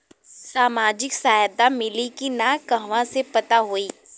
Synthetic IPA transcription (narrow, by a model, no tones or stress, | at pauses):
saːmaːd͡ʒɪksaːjd̪amɪlikinakɐɦʋãsepɐt̪aɦoiː